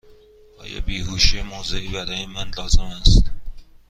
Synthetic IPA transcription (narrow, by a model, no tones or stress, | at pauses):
ɒ̰ːjɒ̰biːhuʃiemoːzeibæɾɒːjemænlɒːzemæst̪